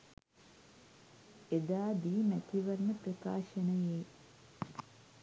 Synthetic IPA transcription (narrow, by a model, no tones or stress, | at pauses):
ed̪aːd̪imɛt̪iʋɐɾnɐpɾɐka̰ːʃɐnɐjeː